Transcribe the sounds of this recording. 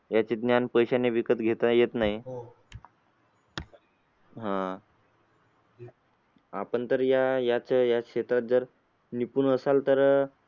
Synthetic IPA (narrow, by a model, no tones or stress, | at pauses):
jat͡ɕed̪njanpəjɕaneʋikət̪ɡʱet̪ajet̪naɦi | ɦã | apəɳt̪əɾjajat͡ɕajaɕet̪ɾat̪̚d͡zəɾ | nipuːnəsalt̪əɾ